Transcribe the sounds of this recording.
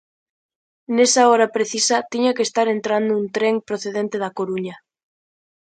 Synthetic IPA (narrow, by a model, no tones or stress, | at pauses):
nesaɔɾapɾeθisat̪iɲakest̪aɾent̪ɾand̪ount̪ɾeŋpɾoθeðent̪eðakoɾuɲa